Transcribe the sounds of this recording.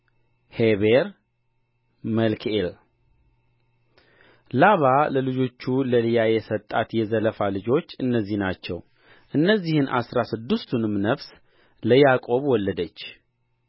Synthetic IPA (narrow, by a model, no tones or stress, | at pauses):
heβeɾ | məlkʰel | laβaləlɨd͡ʒo̞t͡ʃːuləlɨjajɛsət̪ʼːat̪jɛzələfalɨd͡ʒo̞t͡ʃːɨnːəzːihnat͡ʃːɛ̰w | ʔɨnːəzːihɨnʔasɾasɨd̪ːɨst̪ʰunɨmnəfs | ləjakʼo̞βwɔlːəd̪ət͡ʃː